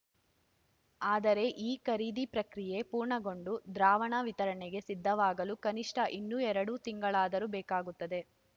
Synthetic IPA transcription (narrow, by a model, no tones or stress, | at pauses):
aːd̪ɐɾe̞ʔiːkɐɾiːd̪ipɾɐkɾije̞puːɾɳɐɡo̞ɳɖud̪ɾaːʋɐɳɐʋit̪ɐɾɐɳɛɡe̞sid̪ʱːɐʋaːɡɐlukɐniʂʈʰɐʔinːuɛɾɐɽut̪iŋɡɐɭaːd̪ɐɾubɛːkaːɡut̪ːɐd̪e̞